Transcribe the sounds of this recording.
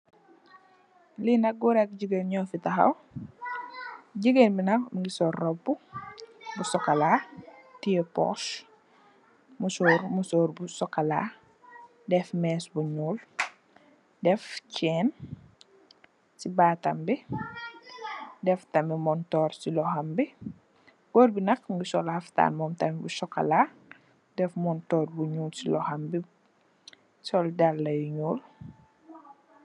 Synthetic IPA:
linɐɡuɾɛk̚ɟəɡenɲɔfitɐxɐ̰w | ɟəɡenbinɐmŋɡisɔrːɔbu | busɔkɐlatijɛpɔ̰s | musɔːɾmusɔːɾbusɔkala̰ | dɛfmɛːsbuɲuːl | dɛfcɛːn | sibaːtɐmbi | dɛftɐmimɔntɔːrsilɔhɐmbi | ɡɔːrbinɐkŋɡusɔlhɐfta̰ːnmɔːmtɐmibusɔkːɐ̰laː | dɛfmɔntɔːrbuɲuːlsilɔhɐmbi | sɔldalːɐjuɲuːl

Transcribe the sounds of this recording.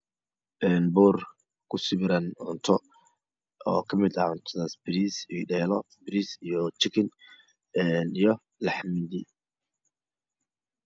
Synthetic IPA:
ʔɛnbɔːr | kʰʊsɪβɪɾɐnʊnt̪ʰɔ | ɔːkʰɐmɪd̪ɐʕʊnt̪ʰɔðaːsbɪɾiːsiɖɛːlɔ | bɪɾisijɔt͡ʃɪkʰɪn | ɛnijɔ | lɑħmɪd̪i

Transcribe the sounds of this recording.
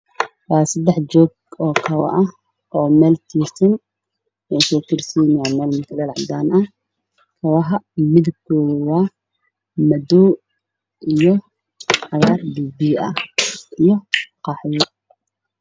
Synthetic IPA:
wɑːsɐd̪ɛħd͡ʒɔːɡ | ɔːkʰɐwɐ̰ʔɐ | ʔɔːmɛːlt̪ʰiːsɐn | ɛsɔːkʰɪrsinaːmɛːlmɐk̪ʰɐlɛlʕd̪aːnɐ | kʰɐwɐɦɐmɪðʊb̚kʰɔːɣwɑː | mɐdɔː | ʔijɔ | ʕɑɣaːrbiːbiɐ̰ʔijɔqɑːħjɔ

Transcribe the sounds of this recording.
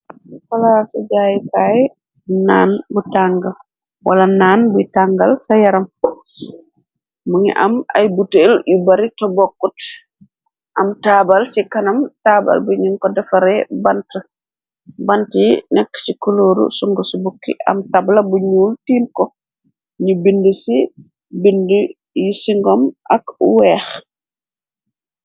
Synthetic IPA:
fɐlasɐɟaːjikaːjɛ | naːnbutaŋɡɐl | wʔɐlɐnaːnbujtaŋɡɐlsɐjɐɾɐm | muŋḭʔɐ̰mɐ̰jbuteljibɐɾitɔbɔkːut | ʔɐmtaːbɐlsikɐnɐmtaːbɐ̰lbuɲiŋkɔdɐfɐɾɛbɐntə | bɐntinɛkːsikuloːɾṵsuŋɡəsubukːḭʔɐ̰mtablɐbuɲuːltiːmkɔ | ɲubindəsi | bində | jusiŋɡɔmʔɐkwɛːx

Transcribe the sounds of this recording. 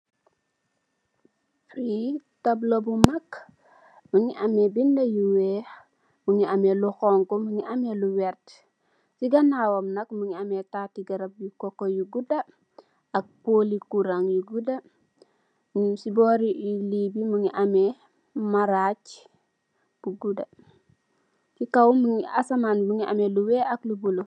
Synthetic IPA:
fɾitablobumak | muŋiʔɐmebindajuwe | muŋiameluxɔŋkomuŋiʔɐmeluwɛɾt | siɡanawomnɐkmuŋiametatiɡɐɾɐp̚jukokojuɡuda | ɐk̚polikuɾaŋjuɡudɐ | sibɔːɾiilibimuŋiʔame | maɾac | b̥uɡuda | kikawmuŋiasamanbuŋiʔa̰meluwɛːʔɐklubulu

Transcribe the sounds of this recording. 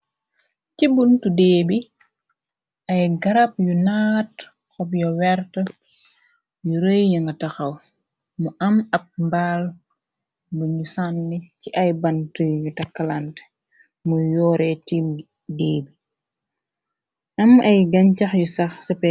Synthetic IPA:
cibuntudeːbi | ʔɐjɡɐɾap̚junaːt | xɔbjɔwɛɾtə | juɾəjjɐŋɡɐtɐxɐw | muʔɐmɐb̚mbaːl | buɲusanːiciʔɐjbɐntujutɐkːɐlant | mujɔːɾɛtiːm | deːbi | ʔɐmɐjɡɐɲcɐxjusɐxsɛpɛ

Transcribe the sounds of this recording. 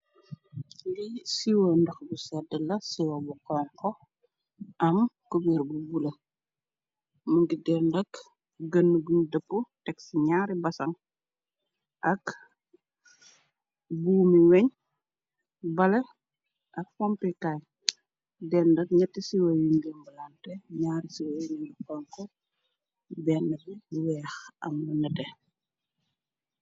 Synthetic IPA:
ɡisiwɐndɐxbusɛdəlɐsiwɐbukɔːŋkɔ | ʔɐmkubiɾbubulɐ | muŋɡidɛːndɐk | ɡənːuɡundəpːutɛksiɲaːɾibɐsɐŋ | ʔɐk | buːmiwɛɲ | bɐlɛ | ʔɐk̚fɔmpikaːj | dɛːndɐk̚ɲɐtːisiwɐjuɲɡəmbəlantɛɲaːɾisiwɐjuninukɔŋkɔ | bɛːnːɐdiwɛːxɐ̰mːunɐtɛ

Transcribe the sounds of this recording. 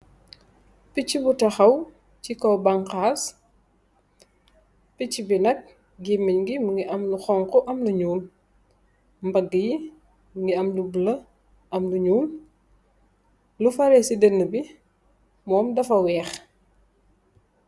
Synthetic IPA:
picibutɐxɐw | cikɔwbɐŋqaːs | picibinɐk̚ | ɡimːiɲɡimuŋɡiʔɐmluxɔŋkɔʔɐmluɲuːl | mbɐɡːəji | mŋɡiɐmlublɐ | ɐmluɲuːl | lufɐɾɛsidənːəbi | mɔːmdɐfɐwɛːx

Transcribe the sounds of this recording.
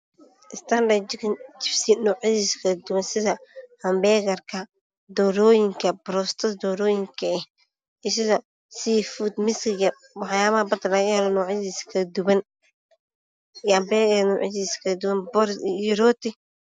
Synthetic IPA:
ʔɪst̪ʰɐndɐkt͡ʃɪfsinɔːʕɪsiskʰɐd̪ʊwɐnsɪðɐhɐmbɛːɣɐrkʰɐ | d̪ɔːɾɔːjɪŋkʰɐbɾɔst̪ʰɐd̪ɔːɾɔːjɪŋkʰɐɛh | ɛsɪðɐ | sifud̪mɪskɪɡɐ | wɑħjaːβɐhɐbɐd̪ɐlɐɣɐhɛlɔnɔːʕɪðiskʰɐd̪ʊwɐn | ɐmbɛɣɐnɔːʕḭsiskʰɐd̪ʊwɐnbɔɾiɾɔːt̪ɪ

